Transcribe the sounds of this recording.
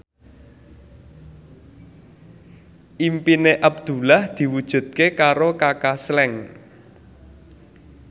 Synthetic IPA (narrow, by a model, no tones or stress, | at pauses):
ʔimpineʔabd̪̥ṳlahd̪̥i̤wud̥ʒ̥ṳt̪̚kekaɾokakaslɛŋ